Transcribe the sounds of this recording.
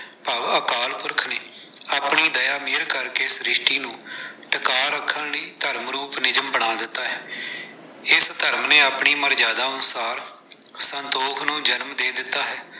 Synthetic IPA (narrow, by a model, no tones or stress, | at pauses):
pəʋəkaːlpʊɾkʰneː | aːpɳiːd̪əjaːmeːɾkəɾkeːɪsɾɪʃʈiːnũːʈəkaːɾəkʰːənləiːt̪əɾmɾuːpnɪd͡ʒəmbəɳ̃aːd̪ɪt̪ːaːɦɛː | ɪst̪əɾmneːaːpɳiːməɾd͡ʒaːd̪aːənʊsaːɾ | sənt̪oːkʰnũːd͡ʒənmd̪eːd̪ɪt̪ːaːɦɛː